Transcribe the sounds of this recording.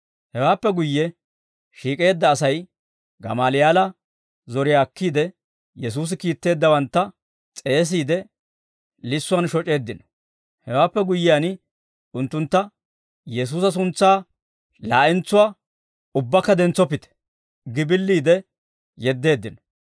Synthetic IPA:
hɛwaːpːɛɡʊjːɛ | ʃiːkʼe̞ːd̪ːɐːsɐj | ɡɐ̰maːlɪjaːlɐ | zɔɾɪjaːkːiːd̪ɛ | jɛs̬uːs̬ɪkiːt̪ːe̞ːd̪ːɐwɐnt̪ːɐ | t͡sʼe̞ːs̬iːd̪ɛ | lɪsːʊɐnʃɔt͡ʃʼe̞ːd̪ːɪnɔ | hɛwaːpːɛɡʊjːɪjan | ʊnt̪ːʊnt̪ːɐ | jɛs̬uːs̬ɐs̬ʊnt͡sːaː | laːʔɪnt͡sːʊwaː | ʊbːɐkːɐd̪ɛnt͡sːɔpːɪt̪ɛ̥ | ɡɪbɪlːiːd̪ɛ | jɛd̪ːe̞ːd̪ːɪnɔ̥

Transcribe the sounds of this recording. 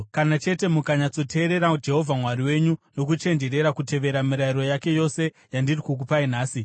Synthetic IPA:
kanat͡ʃe̞te̞mukaɲat͡so̞tʰe̞ːɾe̞ɾad͡ʒe̞ɦo̞vʱamwaɾiwe̞ɲuno̞kut͡ʃe̞nd͡ʒe̞ɾe̞ɾakute̞ʋe̞ɾamiɾaiɾo̞jake̞jo̞se̞ | jandirikuk̬upainaːsi

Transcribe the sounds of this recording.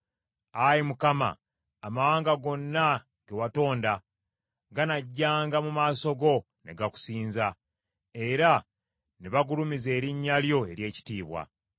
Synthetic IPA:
ajimukama̰ː | mawaːŋɡaɡo̞nːa | ɡ̥e̞wato̞ːnda | ɡanaɟːaːŋɡamumaːso̞ɡo̞ | ne̞̰ɡaku̥siːnza | e̞ɾa | neβaɡulumize̞ːɾiɲːaljo̞e̞ɾje̞ːci̥tiːβwa̰

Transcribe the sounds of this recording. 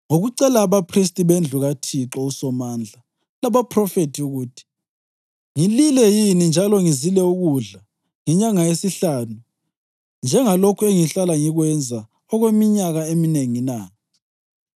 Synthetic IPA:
ŋoɣuǀɛlaːβapʰris̬tʼiβend͡ɮʱuɣatʰiǁɔusɔmaːnd͡ɮʱa | laβapʰrɔfetʰiuɣuːtʰi̥ | ŋililɛjinind͡ʒʱalɔŋizilɛuɣuɮa | ŋɛɲaŋajesiɬaːnu | nd͡ʒʱɛŋalokʰueŋiɬalaŋiɣwɛnd͡zʱa | ɔɣwemiɲaɣaemineŋina

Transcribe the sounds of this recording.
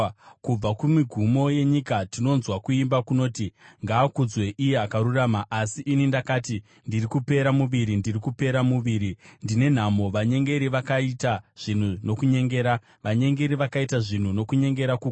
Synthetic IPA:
kub͡vakumiɡʱumo̞je̞ɲikatino̞nzwakuimbakuno̞ːtiŋɡaːkud͡zwe̞ʔijeakaɾuraːmaʔasiʔinindakaːti | ndirikupe̞ɾamuʋiɾindirikupe̞ɾamuʋiːɾindine̞n̤amo̞ʋaɲe̞ŋɡe̞ɾiʋakaitaʐ̥in̤uno̞kuɲe̞ŋɡe̞ːɾa | ʋaɲe̞ŋɡe̞ɾiʋakaitaʐin̤uno̞kuɲe̞ŋɡe̞ɾakuɡ

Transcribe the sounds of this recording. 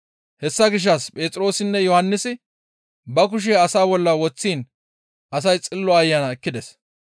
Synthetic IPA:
hɛsːɐɡɪʃ̬ːɐspʼe̞ːt͡sʼɾo̞ːsɪnːɛjɔhɐnːɪsɪ | bɐk̬ʊʃ̬eɐsaːbɔlːɐwɔt͡sːiːn | ʔɐsɐjt͡sʼɪlːɔɐjːɐnɐɛkːɪd̪ɛs

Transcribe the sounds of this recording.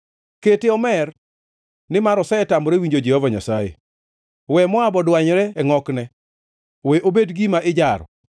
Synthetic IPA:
keteɔmɛr | nɪmaɾɔsɛɛtamɔɾewiɲd͡ʒod͡ʒɛhɔvaɲa̰sajḛ | wɛmɔabɔdwaɲɾɛɛŋɔknɛ | weʔobedɡimaʔɪd͡ʒaɾɔ̰

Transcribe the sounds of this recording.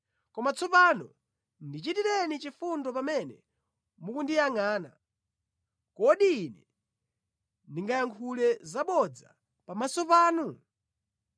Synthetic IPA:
kɔmat͡sʰɔpanɔ̰ | ndit͡ʃitiɾɛnit͡ʃifundɔpamɛnɛ̰ | mukundijaŋaːna̰ | kɔɗiːnɛ | ndiŋɡajaŋkʰulɛzaɓɔd͡za̰ | pamasɔpaːnu

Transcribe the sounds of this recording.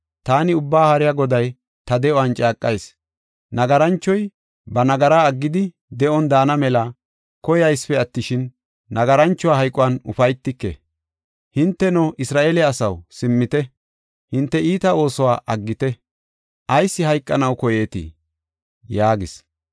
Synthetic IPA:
t̪aːnɪʊbːaːhɐɾɪjaɡɔd̪ɐj | t̪ɐd̪ɛɔwant͡ʃʼaːkʼːɐjs | nɐɡɐɾɐnt͡ʃːɔj | bɐnɐɡɐɾaːɐɡːɪd̪ɪ | d̪ɛʔɔnd̪aːnɐmɛlɐ | kɔjɐjspɛɐt̪ːɪʃɪnː | ɐɡɐɾɐnt͡ʃːɔwaːɦɐjkʼːɔwɐnʊ̰fɐjt̪ːɪkːɛ̰ | hɪnt̪ːɛnɔʔɪsɾaːʔeːlɛːsɐwsɪmːɪt̪ɛ | hɪnt̪ːɛiːt̪ɐo̞ːsɔwaːʔɐɡːɪt̪ɛ | ʔɐjsːɪɦɐjkʼːɐnɐwkɔjeːt̪ɪ̰ | jaːɡɪs

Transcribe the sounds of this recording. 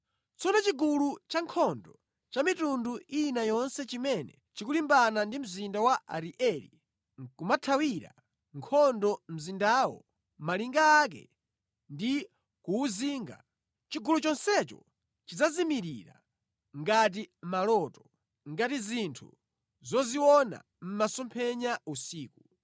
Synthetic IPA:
t͡sɔnɔt͡ʃiɡulut͡ʃaŋkʰɔndɔ | t͡ʃamitunduinajɔnsɛt͡ʃimɛnɛ | t͡ʃikulimbanandim̩zindawaʔa̰ɾiʔɛlḭ | kumatʰawiɾa̰ | ŋkʰɔndɔm̩zindawɔ̰ | maliŋɡaːk̬ɛ̰ | ndi | kuːziːŋɡa̰ | t͡ʃiɡulut͡ʃɔnsɛt͡ʃɔ̰ | t͡ʃid͡zazimiɾiɾa̰ | ŋɡat̬imalɔːtɔ | ŋɡatizintʰṵ | zɔziwɔna̰ | m̩masɔmpʰɛɲausiːku

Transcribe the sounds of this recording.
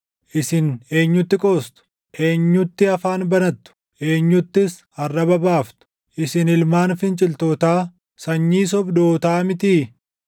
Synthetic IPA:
ʔɪsɪne̞ːɲːʊt̪ːɪkʼoːst̪ʊ̥ | ʔe̞ːɲːʊt̪ːɪɐfaːnbɐnɐt̪ːʊ̥ | ʔe̞ːɲːʊt̪ːɪs | ɐrːɐbɐbaːft̪ʊ̥ | ʔɪsɪnɪlmaːnfɪnt͡ʃʼɪlt̪oːt̪aː | sɐɲːiːs̬ɔbd̪oːt̪aːmɪt̪iː

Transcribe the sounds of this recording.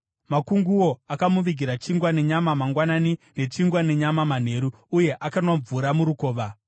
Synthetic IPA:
makuŋɡuwo̞akamuʋiɡʱiɾat͡ʃiŋɡwane̞ɲamamaŋɡwananine̞t͡ʃiŋɡwane̞ɲamaman̤e̞ɾuːje̞ʔakanoɱvuɾamuɾukoːʋa

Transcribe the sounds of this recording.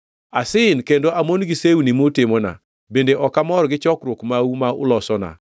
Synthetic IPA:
asɪnkendoamonɡisewunimotɪmona̰ | bendeʔɔkamɔɾɡɪt͡ʃɔkɾʊkmaumaʊlɔsɔna̰

